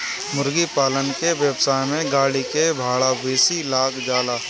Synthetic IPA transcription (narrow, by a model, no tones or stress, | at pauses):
mʊɾɡipaːlənkeʋjəbsaːjmẽɡaːɽikebʱaːɭabeːsilaːkd͡ʒaːlaː